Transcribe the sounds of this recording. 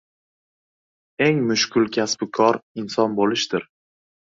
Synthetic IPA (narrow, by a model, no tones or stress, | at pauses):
e̞ŋmʊʃkʲʰʊlˠkʲʰasbkʰɒɾɪnsɒnbolɪʃd̪ɪɾ